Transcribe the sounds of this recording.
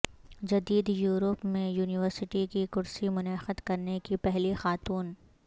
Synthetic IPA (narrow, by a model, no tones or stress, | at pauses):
d͡ʒɐd̪iːd̪juːɾəpmẽjuːnɪʋəɾsɪʈikikʊɾsimʊnɛːxəd̪kɐɾnekipɛɦlixaːt̪uːn